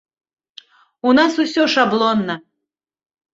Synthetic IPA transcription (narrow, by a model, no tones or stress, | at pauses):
unasusʲɔʂablˠɔnːɐ